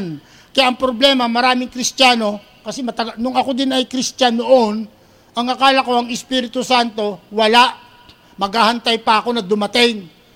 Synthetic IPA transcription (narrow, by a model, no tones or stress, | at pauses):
n | kɐjaʔɐŋpɾoblɛmɐmɐɾaːmɪŋkɾɪst̪aːno̞ | kɐsɛmɐt̪ɐɡnʊŋɐko̞d̪ɪnɐjkɾɪst̪anoʔon | ʔɐŋɐkaːlɐko̞ɐŋɪspiːɾɪt̪ʊsant̪o̞wɐlaʔ | mɐɡhaːhɐnt̪ajpɐʔɐko̞nɐd̪ʊmɐt̪ɪŋ